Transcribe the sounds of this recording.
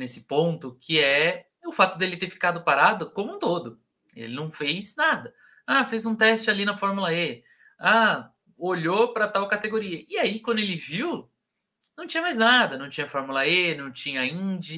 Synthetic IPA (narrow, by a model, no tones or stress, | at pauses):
nesɪ̥põnt̪ʊkʰɪɛ | ʊfat̪ʊd̪elɪt̪eɾfi̥kad̪ʊpaɾad̪ʊkõmũt̪od̪ʊ | ḛlɪnɐ̃w̃fejznad̪ɐ | afejzũt̪ɛst͡ʃɪalinɐfɔɾmulɐe | a | oʎopɾɐt̪awkat̪eɡoɾiɐɪaikwɐ̃nd̪ʊelɪviw | nɐ̃w̃t͡ʃĩɲɐmajznad̪ɐnɐ̃w̃t͡ʃĩɲɐfɔɾmulɐenɐ̃w̃t͡ʃĩɲɐĩd͡ʒɪ